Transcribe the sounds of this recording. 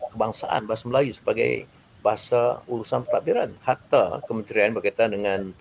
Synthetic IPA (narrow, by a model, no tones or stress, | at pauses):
kəbaŋsa̰ʔa̰nbaɦasaməlajusə̥baɡa̰j | baɦasauɾusanpət̪aʔbiɾa̰nhat̪a̰kəməɲt͡ʃəɾianbərɡat̪andəŋan